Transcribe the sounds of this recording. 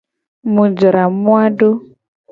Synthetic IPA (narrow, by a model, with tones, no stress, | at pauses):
mu˨d͡ʒɔ˨ɾa˨mwa˦do˦